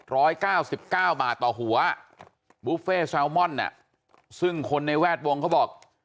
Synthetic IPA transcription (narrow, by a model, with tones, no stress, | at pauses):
ɾɔː˦˥jkaː˥˩wsi˨˩p̚kaː˥˩wbaː˨˩t̪ːɔː˨˩ɦu˩˦ɐ | buː˦˥feː˥˩sɛ˧˥wmɔ˥˩nːa̰˨˩ʔ | sɯ˥˩ŋkʰo˧nːa˧jwɛː˥˩t̪̚wo˧ŋkʰa˥˩bɔː˨˩k̚